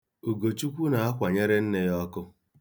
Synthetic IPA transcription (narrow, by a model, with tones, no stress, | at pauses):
o˨ɡo˨t͡ʃu˦kʷu˦na˨a˦kʷa˨ɲe˦ɾe˦n̩˦ne˦jɔ˦kʊ˦